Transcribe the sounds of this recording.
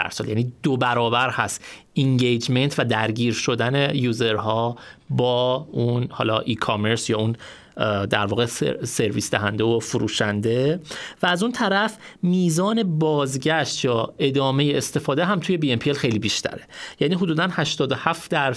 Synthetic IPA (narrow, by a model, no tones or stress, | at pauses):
æ̰ɾsɒːljæ̰niːd̪obæɾɒːbæɾhæst̪iŋɟejd͡ʒme̞nt̪ʰvæd̪æɾɟiːɾʃo̞d̪æne̞juːze̞ɾɦɒːbɒːunhɒ̰ːlɒːʔikʰome̞ɾsjɒːun | d̪æɾvɒːɣesse̞ɾviːsd̪æɦænd̪eofuɾuːʃænd̪e̞væːzunt̪ʰæɾæfmiːzɒːne̞bɒːzɟæʃt̪jɒːe̞d̪ɒːme̞jeːst̪e̞fɒːd̪eɦæmt̪ʰuːje̞biempʰielxe̞jliːbiːʃt̪ʰæ̰ɾejæːniːɦod̪uːd̪ænhæʃt̪ɒːd̪o̞hæft̪d̪æɾ